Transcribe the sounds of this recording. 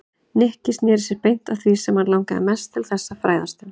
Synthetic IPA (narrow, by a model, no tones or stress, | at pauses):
nɛhcɪst̪nɛːɾsjɪɾpejn̥t̪awθvisɛmaɾlawŋkaðɪ̰mɛst̪ʰːɪlθɛsːafɾa̰ːjðast̪ɪ